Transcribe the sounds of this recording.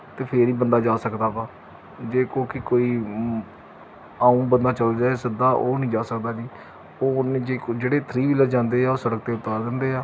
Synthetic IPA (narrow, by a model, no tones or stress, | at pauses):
t̪eːpʰeːɾiːbənd̪aːd͡ʒaːsəkd̪aːpaː | d͡ʒeːkoːkɪkoːiː | aːũːbənd̪aːt͡ʃəld͡ʒaːeːsɪd̪aːʔoːnĩːd͡ʒaːsəkd̪aːd͡ʒiː | oːnẽːd͡ʒeːd͡ʒeːɽeːt̪ʰɾiːʋiːləd͡ʒãːnd̪eːaːoːsəɽək̚t̪eːʊt̪ːaːɾd̪ɪnd̪eːaː